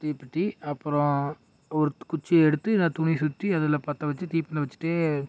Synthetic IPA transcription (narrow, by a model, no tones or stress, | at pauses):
t̪iːpːɪʈːiɐpːɯɾɔ̃ | ɔɾɯkʊt͡ʃːɐɛɽɯt̪ːɯnat̪ʊɳisʊt̪ːiɐðɐlːɐ̃ːpaːɾt̪ɐʋɐt͡ʃːɯt̪iːpːɪnɐʋɐt͡ʃːɪ̥ʈːeː